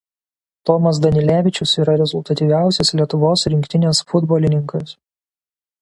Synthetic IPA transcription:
t̪ɔmɐs̬d̪ɐnʲɪlʲæːʋʲɪt͡ʃʲʊsiːɾɐɾʲɛzʊlˠt̪ɐt̪ʲiʋʲæˑʊsʲɛslʲiɛt̪ʊʋoːsɾʲɪŋʲkʲt̪ʲɪnʲeːsfʊd̪bɔːlʲɪnʲɪŋkɐs

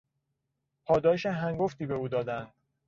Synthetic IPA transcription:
pʰɒːd̪ɒːjeʃeɦæŋɡoft̪iːbeuːd̪ɒːd̪ænd̪̥

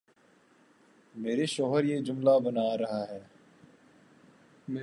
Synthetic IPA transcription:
meːɾeʃɔːɦəɾjeːd͡ʒʊmlaːbənaːɾɐɦaːɦɛː | me

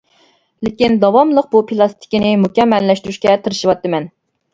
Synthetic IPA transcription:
lɪkʲind̪ɑwɑmlˠəq̚bupʰilˠɑst̪ʰi̥kʲinɪmukʲɛmːɛlːɛʃt̪yɾyʃkʲɛt̪ʰɨɾɨʃɨwɑt̪ːɨmɛn

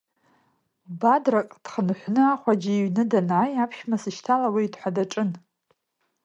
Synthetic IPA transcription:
badrakʼd̥χənħʷnɨaχʷad͡ʒɪiɥnɨdanaːjapʰʃmasɨʃtʰalawiːdħʷadaʈ͡ʂʼɨn

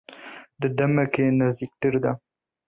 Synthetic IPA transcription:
d̪əɖamakenazd̪ik̚ʈəɾd̪a

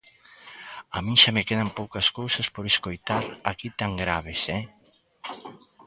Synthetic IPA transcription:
a̰mĩŋʃamekeðampowkɐskowsaspoɾeskojt̪aɾakit̪aŋɡɾaβ̞esɛ

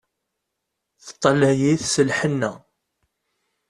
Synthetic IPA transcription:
θə̥t̪ˤːɑlæjiθsəlħənːæ

